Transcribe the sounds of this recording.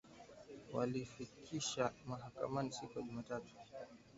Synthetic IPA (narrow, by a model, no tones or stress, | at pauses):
wa̰lifikʰiʃamaɦaka̰manisikujaʄumaːtatu̥